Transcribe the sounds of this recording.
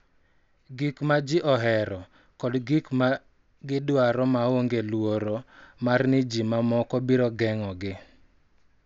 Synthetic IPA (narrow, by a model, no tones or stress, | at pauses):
ɡikmad͡ʒiʔɔɦɛɾɔ | kɔdɡikma | ɡɪdwaɾɔmaoŋɡelwoɾomarnɪd͡ʒimamɔkɔbiɾɔɡɛŋɔɡɪ